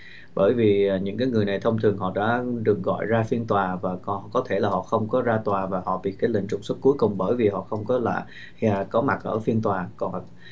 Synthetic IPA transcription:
ɓəː˧˩jviː˨˩˨ɲɨ̰˧˥ŋkaː˨˦jŋɨ˨˩əjna˨˩jt̪ʰə˧wŋ͡mt̪ʰɨ˨˩əŋɦɔ̰˧˨ɗa̰ː˧˥ɗɨ˨˩ək̚ɣɔ̰˧˨jzaː˧fi˧ənt̪waː˨˩vaː˨˩˨kɔ˨˦t̪ʰe˧˩laː˨˩hɔ̰˧˨xə˧wŋ͡mkɔ˨˦zaː˧t̪waː˨˩vaː˨˩hɔ̰˧˨ɓḭ˧˨kaː˨˦jlḭ̈˧˨ŋ̟t͡ɕʊ˨˩k͡p̚swə˦˥t̚ku˦jkʊ˨˩ŋ͡mɓəː˧˩jvi˨˩hɔ̰˧˨xə˧wŋ͡mkɔ˨˦la̰ː˧˨j | aː˨˩kɔ˨˦ma˨˩t̚ʔəː˧˩fi˧nt̪waː˨˩kɔ˨˩n˨˩

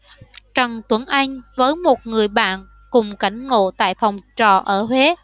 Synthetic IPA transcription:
t͡ɕə˨˩ŋt̪wə˨˧˥nʔa˧jŋ̟vəː˨˦jmo˨˩t̚ŋɨ˨˩əjɓa̰ː˧˨n | kʊ˨˩ŋ͡mka˨˩jŋ̟ŋo̰˧˨t̪a̰ː˧˨jfɔ˨˩wŋ͡mt͡ɕɔ˨˩ʔəː˧˩hwe˨˦

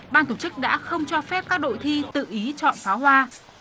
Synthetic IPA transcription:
ɓaː˧nt̪ʰo˧˩t͡ɕɨ˦˥k̚ɗa̰ː˧˥xə˧wŋ͡mt͡ɕɔ˧fɛ˦˥p̚kaː˦˥k̚ɗo̰˧˨jt̪ʰi˧t̪ɨ̰˧˨ʔi˨˦t͡ɕɔ̰˧˨nfaː˨˦ɦwaː˧

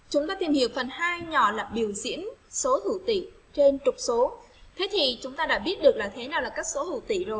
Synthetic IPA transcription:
t͡ɕʊ˨˦ŋ͡mt̪aː˧t̪i˨˩mhi˧˨əwfə˨˩nhaː˧jɲɔ˧˩laː˨˩ɓi˧˩əwzḭ˧˥ənso˨˦t̪ʰu˧˩t̪ḭ˧˨ | t͡ɕe˧nt͡ɕʊ˨˩k͡p̚so˨˦ | t̪ʰe˨˦t̪ʰi˨˩t͡ɕʊ˨˦ŋ͡mt̪aː˧ɗa̰ː˧˥ɓi˦˥ət̚ɗɨ˨˩ək̚laː˨˩t̪ʰe˨˦naː˨˩wlaː˨˩kaː˦˥k̚so˨˦t̪ṵ˧˩t̪ḭ˧˨zo˨˩j

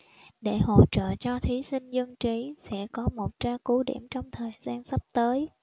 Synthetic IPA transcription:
ɗe˧˩ho̰˧˨t͡ɕə̰ː˧˨t͡ɕɔ˧t̪ʰi˨˦sï˧ŋ̟zə˧ŋt͡ɕi˨˦sɛ̰˧˥kɔ˨˦mo˨˩t̚t͡ɕaː˧ku˨˦ɗḭ˧˩əmt͡ɕɔ˧wŋ͡mt̪ʰəː˨˩jzaː˧nsə˦˥p̚t̪əː˨˦j

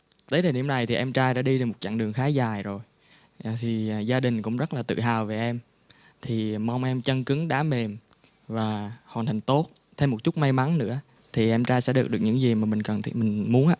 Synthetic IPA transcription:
t̪əː˨˦jɗ̪eː˨˩ɗi˧˩əmna˨˩jt̪ʰi˨˩ʔɛ˧mt͡ɕaː˧jɗa̰ː˧˥ɗi˧ɗe˨˩mo˨˩t̚t͡ɕa̰ː˧˨ŋɗɨ˨˩əŋxaː˨˦zaː˨˩jzo˨˩j | t̪ʰi˨˩zaː˧ɗï˨˩ŋ̟kʊ̰˧˥ŋ͡mzə˦˥t̚laː˨˩t̪ɨ̰˧˨ɦaː˨˩wve˨˩ʔɛ˧m | t̪ʰi˨˩ma˧wŋ͡mʔɛ˧mt͡ɕə˧ŋkɨ˨˦ŋɗaː˨˦me˨˩m | vaː˨˩hwaː˨˩t̪ʰa˨˩ŋ̟t̪o˦˥t̚ | t̪ʰɛ˧mo˨˩t̚t͡ɕʊ˦˥t̚ma˧jma˨˦nnɨ̰˧˥ə | t̪ʰi˨˩ʔɛ˧mt͡ɕaː˧jsɛ̰˧˥ɗɨ˨˩ək̚ɗɨ˨˩k̚ɲɨ̰˧˥ŋzi˨˩maː˨˩mï˨˩ŋ̟kə˨˩nt̪ʰmï˨˩ŋ̟mu˨˦ənʔaː˧˥

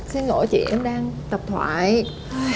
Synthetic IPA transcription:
si˧nŋo̰˧˨˩t͡ɕḭ˧˨əmɗaː˧ŋt̪ə˨˩p̚t̪ʰwa̰ː˧˩j

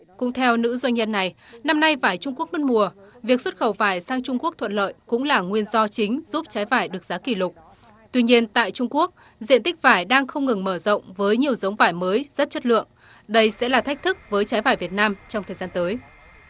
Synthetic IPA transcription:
kʊ̰˧˥ŋ͡mt̪ʰɛ˧wnɨ̰˧˥zwa˧jŋ̟ɲə˧nːa˨˩j | na˧mna˧jvaː˧˩jt͡ɕʊ˧ŋ͡mku˦˥ək̚mə˦˥t̚mu˨˩əvi˨˩ək̚swə˦˥t̚xə˧˩wvaː˧˩jsaː˧ŋt͡ɕʊ˧ŋ͡mku˦˥ək̚t̪ʰwə̰˧˨nlə̰ː˧˨jkʊ̰˧˥ŋ͡mlaː˨˩ŋwi˧ənzɔ˧t͡ɕï˨˦ŋ̟zuː˦˥p̚t͡ɕaː˨˦jvaː˧˩jɗɨ˨˩ək̚zaː˨˦ki˧˩lʊ˨˩k͡p̚ | t̪wi˧ɲi˧ənt̪a̰ː˧˨jt͡ɕʊ˧ŋ͡mku˦˥ək̚ | zḭ˧˨ənt̪ï˦˥k̟̚vaː˧˩jɗaː˧ŋxə˧wŋ͡mŋɨ˨˩ŋməː˧˩zə̰˧˨wŋ͡mvəː˨˦jɲi˨˩əwzə˨˦wŋ͡mvaː˧˩jməː˨˦jz̥ə˦˥t̚t͡ɕə˦˥t̚lɨ̰˧˨əŋ | ɗə˧jsɛ̰˧˥laː˨˩t̪ʰa˦˥k̚t̪ʰɨ˦˥k̚vəː˨˦jt͡ɕaː˨˦jvaː˧˩jvi˨˩ət̚naː˧mt͡ɕɔ˧ŋ͡mt̪ʰəː˨˩zaː˧nt̪əː˨˦j

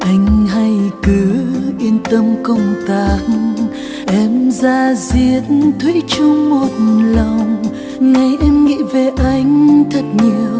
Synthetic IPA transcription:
ʔa˨˧˦jŋ̟ɦa˧jkɨ˨˦ʔi˧ənt̪ə˧mkə˧wŋ͡mt̪aː˨˩n | ʔɛ˧mzaː˧zi˧˩ətnt̪ʰwḭ˧˥t͡ɕʊ˧ŋ͡mmo˨˩t̚nlə˨˩wwŋ͡m | ŋa˨˩jʔɛ˧mŋḭ˧˥ve˨˩ʔa˧˩jŋ̟t̪ʰə˨˩t̚ɲɨ˧w

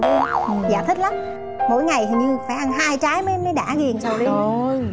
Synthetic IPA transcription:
zaː˧˨˩t̪ʰï̟˦˥la˨˦m | mo̰˧˥jŋa˨˩jt̪ʰi˨˩ɲɨ˧faː˧˩jʔa˧nɦaː˧jt͡ɕaː˨˦jmə˨˦˧mə˨˦jɗa̰ː˧˩ɣi˨˩ənt͡ɕə˨˩wɗi˧˨j

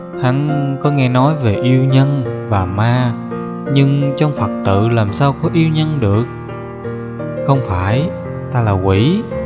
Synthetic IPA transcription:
ha˨˦nkɔ˨˦ŋɛ˧nɔ˨˦jve˨˩ʔi˧əwɲə˧nvaː˨˩maː˧ | ɲɨ˧ŋt͡ɕɔ˧wŋ͡mfə˨˩k̚t̪ɨ̰˧˨laː˨˩msaː˧wkɔ˨˦ʔi˧əwɲə˧nɗɨ˨˩ək̚ | xə˧wŋ͡mfaː˧˩j | t̪aː˧laː˨˩kwi˧˩˨

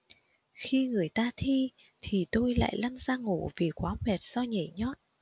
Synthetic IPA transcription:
xi˧ŋɨ˨˩əjt̪aː˧t̪ʰi˧ | t̪ʰi˨˩t̪o˧jla̰ː˧˨jla˧nzaː˧ŋu˧˩vi˨˩kwaː˨˦mɛ˨˩t̚z̥ɔ˧ɲə˧˩ɲɔ˦˥t̚

